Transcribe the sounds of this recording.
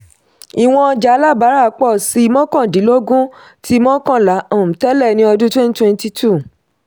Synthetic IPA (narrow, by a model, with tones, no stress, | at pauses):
i˨w̃ɔ̃˧d͡ʒa˨˦la˦˨ba˨˦ɾa˦˨˦k͡pɔ˦˨si˧˦˧mɔ̃˦kã˦˨di˨˦lo˦ɡũ˦ | tʰi˦mɔ̃˦kã˦˨la˨˦ã˦˨ũ˨tɛ˦lɛ˦˨nĩ˦ɔ˧dũ˦twɛ̃˦ni˦twɛ̃˧n˦ti˧tʰu˦˨